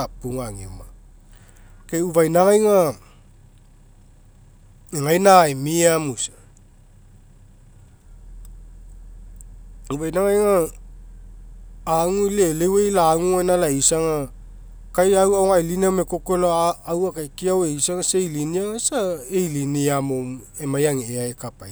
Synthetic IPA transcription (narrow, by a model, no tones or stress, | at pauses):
apuŋaŋḭma | keuvajnaŋajŋa | eŋajnajmiamusḁ | uvajnaŋajŋa | ŋuilelewejlaːŋuenalaisaŋa | kajawaoŋajlinameko̞keloaawakajkiaweisaŋasejliniaŋasaejliniamom | emajaŋeeaekapa̰j